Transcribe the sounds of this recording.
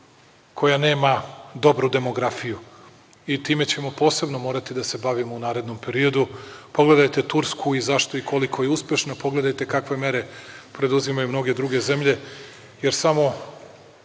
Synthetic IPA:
kʰo̞jane̞ːmad̪o̞bɾud̪e̞mo̞ɡɾafiju | it̪iːme̞t͡ɕe̞mo̞po̞ːse̞bno̞mo̞ːɾat̪id̪ase̞baʋimounaːɾe̞d̪no̞mpe̞ɾio̞d̪upo̞ɡle̞d̪ajt̪e̞t̪uɾskʰuizaʃt̪o̞ikʰolikʰo̞jeuspʲje̞ʃnapo̞ɡle̞d̪ajt̪e̞kakʋe̞me̞ɾe̞pɾe̞d̪uzimajumno̞ɡe̞d̪ɾuɡe̞ze̞mʎe̞ | je̞ɾsamo̞

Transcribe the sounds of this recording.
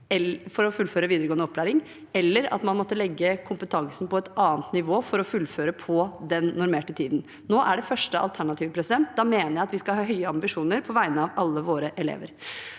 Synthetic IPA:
ɛfɔɾɔfʉlføːɾəʋiːd̪əɾəɡoːənəɔpklæːɾɪŋ | ɛlːəɾɑ̰t̪mɑnmɔt̪ːəlɛɡːəkʰʊmpət̪ʰɑŋsn̩pɔɛt̪ɑːnt̪nɪʋoːfɔɾɔfʉlːføːɾəpʰɔd̪ɛnnʊɾmeːʈət̪ʰiːd̪n̩ | noːʔæɖɛfœʂʈəʔɑ̰lt̪ʰæɳɑt̪ʰiːʋəpʰɾɛsɪd̪ɛnt̪̚d̪ɑmeːnəɾjæɪɑt̪ʋɪskɑhɑːɦœʏəɑmbɪʂuːnəɾpʰɔʋæɪnəɑʋɑlːəʋoːɾəʔɛlḛːʋə̰ɾ

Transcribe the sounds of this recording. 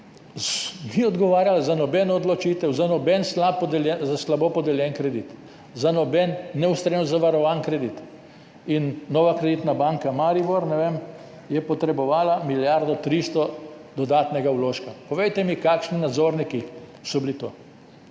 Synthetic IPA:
niɔd̪ɡɔʋaːɾjalazanɔbɛnɔɔd̪lɔt͡ʃiːt̪ɛwzanɔbɛnslapːɔd̪ɛlɛzaslabopɔd̪ɛljɛnkɾɛd̪it̪ | zanɔbɛnːɛust̪ɾenzaʋaɾɔʋankɾɛd̪it̪ | inːɔːʋakɾɛd̪it̪nabaŋkamaɾiboɾnɛʋeːm | jɛpɔt̪ɾɛbɔʋaːlamiljaɾd̪ɔt̪ɾist̪ɔd̪ɔd̪aːt̪nɛɡawloːʃkapɔʋejt̪ɛmikaːkʃninad̪zoːɾnikisɔbilit̪oː

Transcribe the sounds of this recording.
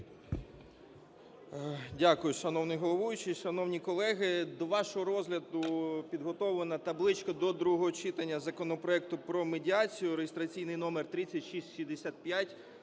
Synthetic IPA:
dʲakʊjʊʃɐnɔwnɪjɦɔlˠɔʋujʊt͡ʃɪʃɐnɔwnʲikɔlˠɛɦɪd̪ɔʋɑʃɔɦɔɾɔzɦlʲɐd̪ʊpʲid̪ɦɔt̪ɔʋenɐt̪ɐblˠɪt͡ʃkɔd̪ɔd̪ɾuɦɦɔɦɔt͡ʃɪt̪ɐnʲːɐzɐkɔnɔpɾɔɛk̚t̪ʊpɾɔmedʲiɑt͡sʲijʊɾeɦɪst̪ɾɐt͡sʲijnɪjnɔmert̪ɾɪt͡sʲːɐtʲʃisʲtʲʃʲimd̪esʲat̪̚pʲjatʲ

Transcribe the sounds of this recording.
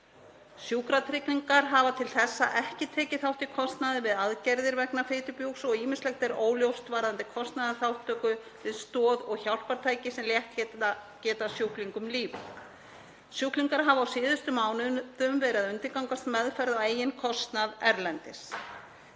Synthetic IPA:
sjukɾat̪ʰɾɪkniŋkaɾɦavat̪ʰɪlθɛsːa̰ʔɛhcɪt̪ʰɛːcɪθawht̪ɪkʰɔst̪naðɪvɪðaðcɛɾðɪɾvɛknafɪːt̪ʏpjuksɔɣiːmɪnslɛxt̪ɛɾoːwljowst̪vaːɾant̪ɪkʰɔst̪naðaθawht̪ʰːœːkʏ | vɪðst̪ɔːðɔɣçawl̥paɾt̪ʰaːjcɪsɛmljɛht̪cɛːt̪acɛːt̪asjuhkliŋkʏmliːvʏ̰ | sjuhkliŋkaɾɦavawsɪːðʏst̪ʏmːaːwnʏðʏmvɛːɾɪaðʏnt̪ɪkawŋkast̪mɛðfɛɾðaweːjɪnkʰɔst̪naðɛɾlɛnt̪ɪs

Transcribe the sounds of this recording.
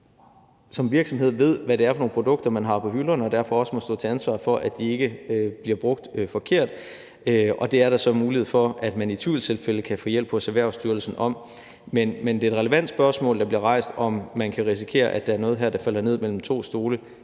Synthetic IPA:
sɒ̽mʋiɐɡ̥sɒ̽mɦe̝ð̞̰ˠʋe̝ð̰ˠʋæɾe̝æɐfɒno̝ːn̩pʰʁod̥ɔ̽ɡ̥̚d̥ɐmænɦɑ̈pʰɒ̽ɦylɐnɒ̽d̥æɐ̰fɒ̽ɒ̽səmɒsd̥ɔ̰ːt͡sʰe̝ænsʋɑ̰̈ːfɒ̽ʔædd̥ie̝ɡ̥əøb̥liɐb̥ʁɔ̽ɡ̥̚d̥øfɒ̽kʰe̝ɐ̰d̥ | øɒ̽d̥e̝æɐɾ̥ɑsɒ̽muːlihe̝ð̩̰ˠfɒ̽æd̥mænit͡sʰʋiːlt͡sʰe̝lfeləkʰæfɔ̰ːjel̰b̥hɒ̽sæʋæɐ̰ʊsd̥yɐl̩sn̩ɒ̽m | menmend̥e̝ːd̥ʁɛləʋæn̰d̥sb̥ɶɐsmɔ̰̽ːld̥ɑ̈b̥liɐʁɑ̈ɪ̰sd̥ɒ̽mːænkʰæʁis̬i̥kʰe̝̰ːɐʔæd̥ææɐnɔ̽ːð̩ˠɦæɐ̰d̥ɑ̈fæl̰ɐne̝ð̰ˠmel̰m̩t͡sʰo̝̰ːsd̥o̝ːlə

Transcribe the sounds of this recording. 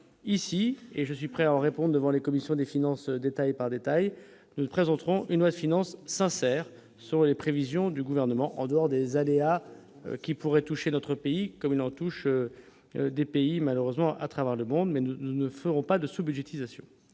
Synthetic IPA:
isieʒəsɥipχɛaɑ̃ʁepɔ̃d̪ʁd̪əvɑ̃lekɔmisjɔ̃d̪efinɑ̃sd̪et̪ajpaʁd̪et̪aj | nupχezɑ̃t̪χɔ̃ʔynlwad̪əfinɑ̃sːɛ̃sɛːʁ | sɔ̃lepχevizjɔ̃d̪yɡuvɛʁnəmɑ̃ʔɑ̰̃d̪əɔʁd̪ezalea̰ | kʲipuʁɛt̪uʃenɔt̪χəpeikɔmilɑ̃t̪uʃø | d̪epeimaløʁøzmɑ̃ʔa̰t̪χavɛʁləmɔ̃d̪mɛnuunəfəʁɔ̃pad̪əsubyd̪ʒet̪izasjɔ̰̃

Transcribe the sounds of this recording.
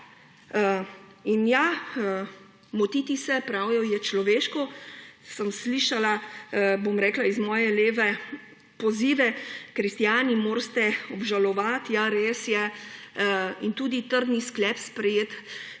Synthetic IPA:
inja | mɔt̪iːt̪isɛpɾawjɔjɛt͡ʃlɔʋeːʃkɔsəmsliʃalabomɾɛːklaizmɔːjɛleːʋɛ | pɔziːʋɛkɾist̪jaːnimoːɾst̪ɛɔbʒalɔʋat̪jaɾeːsjɛ | int̪uːd̪it̪əɾd̪nisklɛːpspɾɛjeːt̪

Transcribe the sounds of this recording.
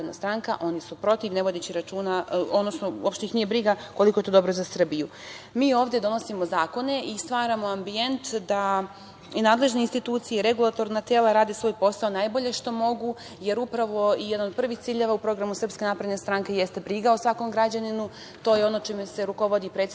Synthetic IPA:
d̪na̰st̪ɾaŋkaʔo̞nisupɾo̞t̪iʋne̞ʋo̞d̪et͡ɕiɾat͡ʃuːnaonosnoopʃt̪eixnijebɾiɡakoliko̞jet̪od̪o̞bɾozasr̩biju | miːo̞ːvd̪je̞d̪o̞no̞simo̞zaːko̞ne̞ʔist̪ʋaːɾamo̞ambie̞nt̪d̪a | naːd̪le̞ʒne̞inst̪it̪uːt̪sijeɾe̞ɡulˠat̪o̞ɾnat̪e̞ːlˠaɾaːd̪esʋo̞ːjpo̞saonajbo̞ʎe̞ʃt̪o̞mo̞ɡu | je̞ɾupɾaʋo̞ijed̪anod̪̚pr̩ʋixt̪siːʎeʋaupɾo̞ɡɾamusrpskʲe̞napɾed̪nest̪ɾaŋke̞je̞st̪e̞bɾiɡaosʋako̞mɡɾad͡ʑaninu | t̪o̞ːjeo̞not͡ʃemese̞ɾuko̞ʋo̞d̪ipɾe̞ːt̪

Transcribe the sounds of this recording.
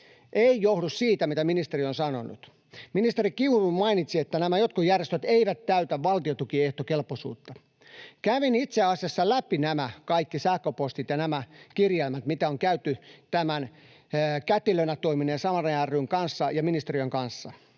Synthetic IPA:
ʔeijohdussiːt̪æmit̪æminist̪erionsɑno̰nṵt̪ | minist̪erikiunumɑinit̪siet̪ːænæmæjot̪̚kujærjest̪øt̪eiʋæt̪t̪æyt̪æʋʋɑlt̪iot̪ukieht̪okelposṵːt̪ːɑ | kæʋinit̪seɑsiɑsːɑlæpinæmækɑikːisæhkøpost̪it̪jɑnæmækirjelmæt̪mit̪æoŋkæyt̪ːyt̪æmæn | kæt̪ilønætt̪ːoiminensɑmɑrɑjærːyŋkɑnsːɑjɑminist̪eɾiøŋkɑnsːɑ̰

